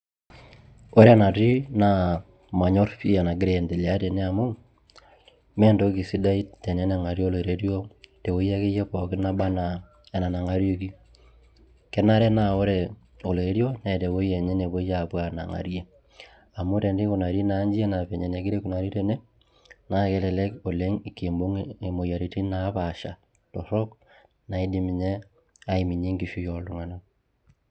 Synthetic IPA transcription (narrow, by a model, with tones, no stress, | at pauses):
o˦ɾɛ˦na˨ti˦na˨ | ma˨ɲɔ˦ɾfi˦a˨na˨ɡɪ˦ɾe˦˨nde˨li˨a˦te˨ne˦a˨mu˦ | mɛ˦ndo˦ki˨si˦da˦i˦tɛ˨nɛ˨˦na˨ŋa˨ɾjo˦˨le˨ɾe˦ɾjo˦te˨wo˦jɛ˦ke˦jɛ˦pɔ˨kɪ˦na˦ba˦na˨ | ɛ˨na˨na˨ŋa˦ɾjo˦ki˦ | kɛ˦na˦ɾɛ˦na˦o˦ɾɛ˨ | o˨le˨˦ɾjo˦nɛ˨te˨wo˦ijɛ˨ɲe˦ne˨βo˦ja˨pwa˨na̰˨ŋa̰˨ɾje˦ | a˨mʊ˦te˨nde˦ku˨na˨ɾe˦na˨˦ɲd͡ʒi˦e˦na˨pe˨ɲe˨ne˨ɡɪ˦ɾe˦ku˨na˨ɾi˦ɾe˨ne˦ | na˦ke˦lɛ˨lɛ˦ko˨le˦ŋi˨ke˨mbo˦ŋe˨mo˨ja˨ɾi˨˦ti˦na˨˦pa˨ʃa̰˨ | tɔ˨ɾɔ˦k | na˨i˦di˦mɪ˨ɲɛ˦ | a˦i˨mi˨ɲe˦ŋɡi˨ʃu˦jɔ˨ldu˦ŋa˨na˦